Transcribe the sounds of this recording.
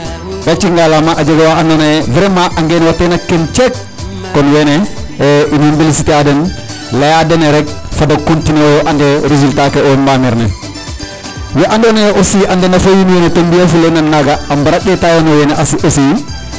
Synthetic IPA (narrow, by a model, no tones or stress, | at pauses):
ɡat͡ʃiŋɡalamaʔad͡ʒaɡawaandɔnɛvɛɾɛmaʔaŋɡɛnɛwatːɛnakːɛnt͡ʃɛkː | ɔnjɛnɛʔinembilisitiadɛn | lajadɛnɛɾɛk̚fadakontinewɔʔandɛɾizultakɛɔmbamɛɾnɛ̰ | wɛʔandɔnɛosiʔandɛnafojinjɛnɛtembiafulɛnanːaɡaːmbaɾaɗɛtawanɔjɛnɛʔasiʔosi